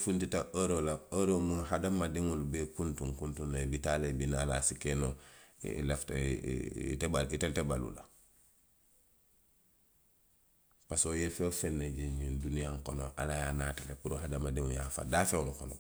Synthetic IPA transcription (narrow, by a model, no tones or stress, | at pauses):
funtitaʔoɾolaoɾomunhadamadiŋulubekuntuŋkuntunːabitalebinala̰sikeno̰ | lefta̰ | ḭtebaiteltebalṵla | pasojefefenːeɟeɲindunijaŋkono̰ʔa̰lajaːnaːtalepuɾoɦadamadiŋujafa̰daːfenukono̰